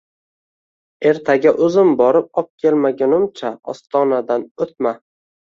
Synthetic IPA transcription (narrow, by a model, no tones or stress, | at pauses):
e̞ɾt̪ʰaɡʲaʔɵzɪmbɒɾɪp̚ɒp̚kʲʰe̞lmaɡʲanʊmt͡ʃʰaɒ̰st̪ʰɒnad̪anot̪̚ma